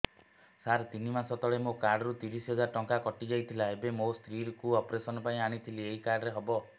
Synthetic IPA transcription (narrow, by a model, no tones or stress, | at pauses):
saɾt̪inimasɔt̪ɔɭemokaɾɖɔɾut̪iɾisɦɔd͡ʒaɾʈɔŋkakɔʈid͡ʒajt̪ʰilaebemost̪ɾiɾkuɔpɾesɔnɔpaĩaɽ̃it̪ʰilieɦikaɾɖɔɾeɦɔbɔ